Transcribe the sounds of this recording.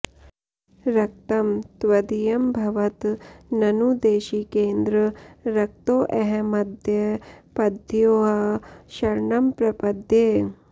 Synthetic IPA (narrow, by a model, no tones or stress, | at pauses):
ɾɐk̚t̪ɐmt̪ʋɐd̪ijɐmbʱɐʋɐt̪nɐnud̪eːʃiːkeːnd̪ɾɐɾɐk̚t̪oːʔɐɦɛmɐd̪ʱjɐpɐd̪ʱjoːɦɐʃɐɾɳɐmpɾɐpɐd̪ʱjeː